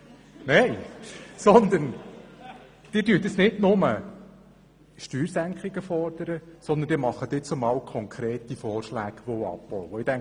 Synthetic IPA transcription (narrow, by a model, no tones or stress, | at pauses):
neɪsɔnd̪ən | d̪̥ɪːɾdyːt̪əsnɪdnʊmə | ʃtyːɾsæŋkχɪɡəfɔɾd̥̪əɾəsɔnd̪ənd̥ɪːmɑχːəd̥̪ɪːt͡sʊmɑwkʰɔŋkʰɾeːt̪ifɔːrʃlæːɡ̥ʋoɑ̰pb̥ɔwəɪtæŋ